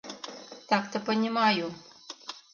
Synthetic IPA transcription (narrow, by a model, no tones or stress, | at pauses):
t̪akt̪əpənʲimaju